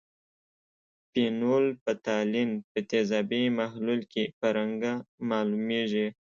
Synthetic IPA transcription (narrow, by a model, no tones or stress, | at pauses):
pinolpət̪ɑlinpət̪ezɑbimahlulkepəɾaŋɡamɑlumeʐi